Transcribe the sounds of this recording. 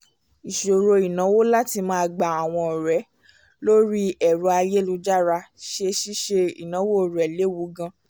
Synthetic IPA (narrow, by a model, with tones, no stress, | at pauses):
i˨ʃo˨ɾo˧i˨nã˨˦wo˦la˦ti˧mã˦a˧ɡ͡ba˨a˨w̃ɔ̃˧˨ɾɛ˨˦ | lo˦ɾi˦ɛ˨ɾo˧˦a˧je˦lu˧d͡ʒa˦ɾa˧ʃe˦˧ʃi˦ʃe˧ḭ˨nã˨˦wo˦˨ɾɛ˨le˨˦wu˨˦ɡã˧